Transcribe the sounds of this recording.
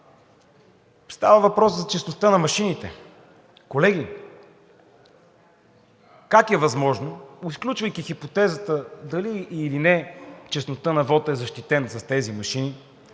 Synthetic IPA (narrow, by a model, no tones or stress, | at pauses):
st̪avəvɐpɾɔszɐt͡ʃɛsnost̪ənɐmɐʃinit̪ɛ | kolɛɡ̟i | kakɛvɐzmɔʒnoisklʲut͡ʃvəjkixipot̪ɛzət̪əd̪ɐliːlinɛt͡ʃɛsnot̪ɤnɐvɔt̪ɛzɐʃt̪it̪ɛnsɐst̪ɛzimɐʃini